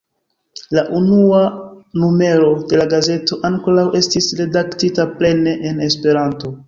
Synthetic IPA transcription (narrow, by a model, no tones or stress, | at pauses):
laʔunuanume̞ɾo̞de̞laɡaze̞to̞ʔaŋko̞ɾawʔe̞stisɾe̞daktitaple̞ne̞ʔene̞spe̞ɾanto̞